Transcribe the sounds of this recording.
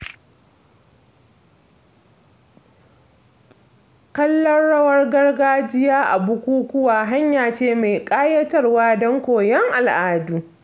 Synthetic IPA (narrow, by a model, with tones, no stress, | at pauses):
kɐ˦lːɐ˦rɽɐ˦wɐ˦rɡɐ˦rɡaː˦d͡ʒɪ˦jaː˦ʔa̰˨bʊ˦kʷuː˦kʷʊ˦waː˨ɦa˦ɲjaː˨t͡ʃeː˦˨ma˨jkʼaː˦jɐ˦tɐ˦rwaː˦dɔ˦ŋkʷoː˨jɛ˦ŋʔa˨lʔaː˦duː˨